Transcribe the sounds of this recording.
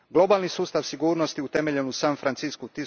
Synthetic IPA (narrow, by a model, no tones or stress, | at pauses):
ɡlˠo̞baːlˠnisuːst̪aʋsiɡuːɾnost̪iut̪emeʎenusanfɾant̪siskut̪i